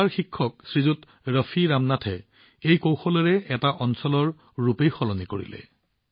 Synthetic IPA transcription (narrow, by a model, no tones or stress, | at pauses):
aɹxikʰːɔk̚sɹizut | ɹəfʰiɹamnatʰɛ̰ | ejkowxɔlɔɹɛɛtaʔɔnsɔlɔɹː | upejxɔlɔnikoɹḭlɛ̰